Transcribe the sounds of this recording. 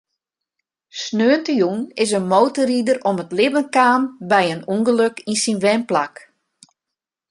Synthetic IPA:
snøːəntəjunɪsənmowtəridərɔmətlɪvənkaːmbɛjənuŋɡəløkinsinʋɛnplak

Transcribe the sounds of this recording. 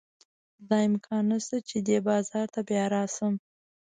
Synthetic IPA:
d̪ɑɪmkʰɑnːast̪at͡ʃed̪ebɑzɑɾt̪abjɑɾɑsəm

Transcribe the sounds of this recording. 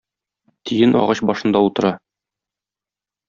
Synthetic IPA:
t̪ʰijɘnɒ̰ʁɑɕbɒʃɤ̆nd̪ɑut̪ɤ̆ɾɑ

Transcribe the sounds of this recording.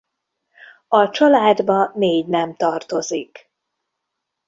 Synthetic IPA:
ɒt͡ʃɒlaːd̪bɒneːɟnɛmt̪ɒrt̪o̞zik

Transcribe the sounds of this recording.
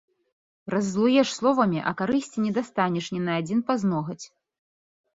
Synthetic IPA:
rɐzːlˠujɛʂslˠɔvɐmʲiʔɐ̰kaɾɨsʲt͡sʲinʲɛd̪ast̪anʲɛʂnʲɛnɐad͡zʲinpaznɔɣɐt͡sʲ

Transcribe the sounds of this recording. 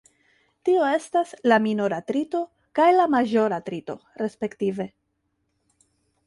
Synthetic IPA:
tio̞e̞staslaminoɾatɾito̞ | kajlamaʒo̞ɾatɾito̞̰ɾe̞spe̞ktive̞

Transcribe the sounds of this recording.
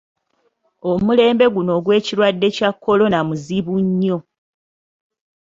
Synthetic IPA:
omule̞ːmbe̞ɡuno̞ːɡwe̞ːciɾwadːe̞cakʰːo̞lo̞namuziβuɲːo̞

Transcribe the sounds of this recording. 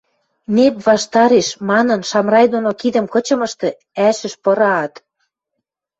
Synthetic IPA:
nepβɑʃt̪ɑɾeʃmɑnɤ̆nʃɑmrɑjd̪onokid̪ə̆mkɤ̆t͡ɕɤ̆mə̆ʃt̪ɤ̆ | æʃə̆ʃpɤ̆ɾɑːt̪

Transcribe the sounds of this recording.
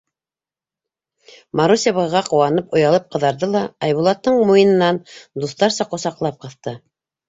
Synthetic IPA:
maɾusʲeβɤʁɑqŏwɑnɤpŏjɑlˠɤp̚qɤ̆ðɑɾðɤlˠɑɑjβulˠɑt̪ːɤɴmujɤ̆nɤ̆nɑnd̪uθt̪ɑɾsɑqŏsɑqlˠɑp̚qɤ̆θt̪ɤ

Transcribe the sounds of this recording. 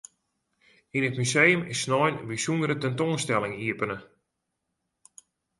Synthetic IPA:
inətmysejəmɪsːnɔjnʋisunəɾətɛntoːnstɛlˠɪŋiəpənə

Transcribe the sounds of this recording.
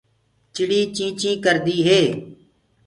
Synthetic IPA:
t͡ʃɪɽiːt͡ʃĩːt͡ʃĩːkəɾd̪iːɦeː

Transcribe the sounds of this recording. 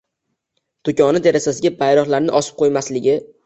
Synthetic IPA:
d̪̥ʊkʲʰɒnɪt̪ʰe̞ɾasasɪɡʲapʰajɾɒχlaɾnɪʔɒsɪ̥p̚qʰojmaslɪɡʲɪ

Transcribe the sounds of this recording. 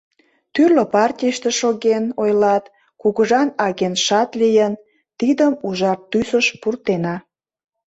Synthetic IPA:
t̪yrləpɑrtʲijəʃt̪eʃoɣenojlɑt̪ | kuɣəʒɑnɑɣenʃɑt̪lijən | t̪id̪əmuʒɑrt̪ːysəʃpurt̪enɑ

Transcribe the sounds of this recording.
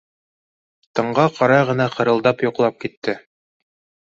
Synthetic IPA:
t̪ɤ̆ɴɢɑqʰɑɾɑjʁɤ̆nɑqɤ̆ɾɤ̆lˠd̪ɑpjŏqlˠɑp̚kit̪ːɘ

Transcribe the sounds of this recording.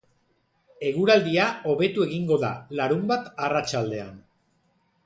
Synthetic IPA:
e̞ɣuɾald̪iao̞βe̞t̪ue̞ɣiŋɡo̞ða̰laɾumbat̪arat͡ʃald̪e̞a̰n

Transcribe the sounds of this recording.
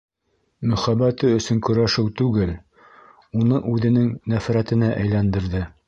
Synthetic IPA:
mɵ̆χæbæt̪ɘɵ̆sɵŋkɵ̆ɾæʃɘwt̪ʉɡɘl | unɤʔʉðɘ̆nɘŋnæfɾæt̪ɘ̆næʔæjlænd̪ɘ̆ɾðɘ

